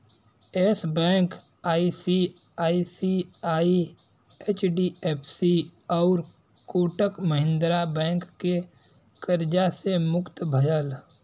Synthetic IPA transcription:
eːsbɛ̃ːŋk | aːisi | aːisiaːi | eːt͡ʃɖieːpʰsiɔːɾ | koːʈəkməɦɪ̃nd̪ɾabɛ̃ːŋkːe | kəɾd͡ʒasemʊkt̪bʱəjəl

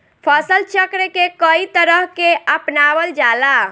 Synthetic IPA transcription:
pʰəsəlt͡ʃəkɾekekəit̪əɾəɦkeəpnaʋəld͡ʒala

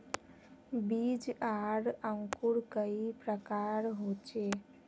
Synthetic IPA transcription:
bid͡ʒaɽəŋkuɽkəipɾəkaɾɦot͡ʃe

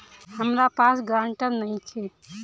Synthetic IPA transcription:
həmɾapaːsɡɾãːɳʈənnəɦĩt͡ʃʰe

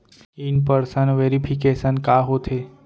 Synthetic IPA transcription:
inpəɾsənʋeɾipʰikesənkaɦot̪ʰe

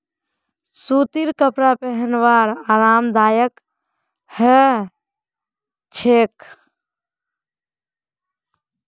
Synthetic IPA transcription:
sut̪iɾkəpɾapɛɦənʋaɾaːɾaːmd̪aːjək | hɛ | t͡ʃʰek

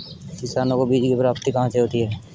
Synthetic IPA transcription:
kɪsaːnõkobiːd͡ʒkepɾaːpt̪ikɐɦãseɦoːt̪iɦɛː

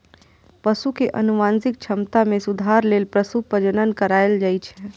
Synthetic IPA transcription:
pəsukeʔə̰nuʋãnsɪk̚t͡ʃʰəmt̪amẽsʊd̪ʱaɾleːlpɾəsupəd͡ʒənənkəɾaeld͡ʒajt͡ʃʰɛ

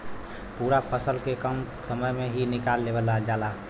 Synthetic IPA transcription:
puːɾapʰəsəlkekəmsəməjmeɦinɪkaːlːeːbəlad͡ʒaːla

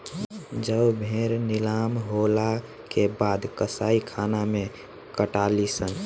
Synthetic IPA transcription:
d͡ʒəbbʱeɾnilamɦola | kebad̪kəsaikʰanamẽ | kəʈalisən

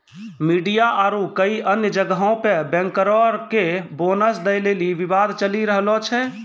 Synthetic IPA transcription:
miɖijaʔaɾukəiʔənjəd͡ʒəɡɦõpebɛ̃ŋkəɾɔɾkebonəsd̪əjleliʋibad̪ʱt͡ʃəliɾəɦlɔt͡ʃʰɛ

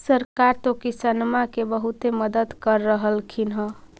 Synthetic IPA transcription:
səɾkaɾt̪okisənmakebəɦut̪eməd̪əd̪kəɾːəɦəlkʰinɦə̃

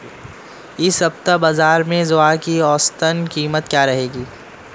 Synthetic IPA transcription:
ɪsɦɐbt̪abaːzaːɾmẽzʊakiɔːst̪ənkiːmət̪̚kjaːɾɐɦeːɡiː

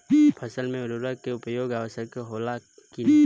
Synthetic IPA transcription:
pʰɐsəlmẽʊɾuːɾəkeʊpjoːɡaːʋəʃəkkeɦoːla | ki

